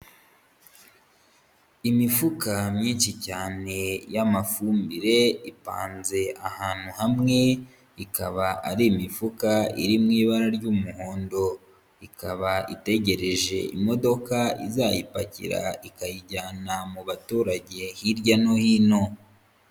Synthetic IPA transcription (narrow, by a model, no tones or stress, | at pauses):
imifukamɲiːnʃicaːne̞jamafuːmbiɾe̞ipa̰ːnze̞ahaːn̥huhamŋe̞ | ikaβaʔaɾiːmifukaḭɾimŋiːβaɾaɾɟumuho̞ːndo̞ | ikaβaḭte̞ɟe̞ɾe̞ʒe̞̰ʔḭmo̞do̞kaḭzajipa̰cḭɾa̰ikajiɟaːnamuβatuːɾaɟe̞hiɾɟano̞hino̞